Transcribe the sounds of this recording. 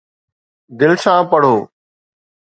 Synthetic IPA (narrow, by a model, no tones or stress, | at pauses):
d̪ɪlsãːpəɽ̤oː